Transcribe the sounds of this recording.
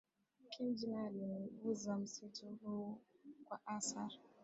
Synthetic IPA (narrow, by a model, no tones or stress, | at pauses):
kɪnd͡ʒinaleʊzam̩sɪtʊɦʊkʷaʔasaɾ